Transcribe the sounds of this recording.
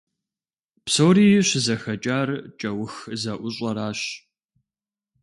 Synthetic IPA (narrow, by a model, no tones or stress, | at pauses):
psoːɾiːjɪɕɪzɐxɐt͡ʃʼaːrt͡ʃʼɐwʊxzɐʔʷʊɕʼɐɾaːɕ